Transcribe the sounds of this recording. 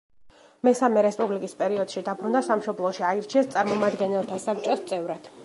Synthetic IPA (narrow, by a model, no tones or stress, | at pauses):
mɛsamɛɾɛspʼublikʼispʼɛɾiɔd̪̥ʃid̪abɾund̪asamʃɔblˠɔʃiaiɾt͡ʃʰiɛst̪sʼaɾmɔmad̪ɡɛnɛlˠt̪ʰasap̚ʰt͡ʃʼɔst̪sʼɛvɾad̪̥